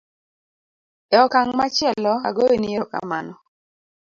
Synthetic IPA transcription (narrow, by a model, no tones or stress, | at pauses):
ɛɔkaŋmat͡ʃɪɛlɔa̰ɡoeniɔka̰manɔ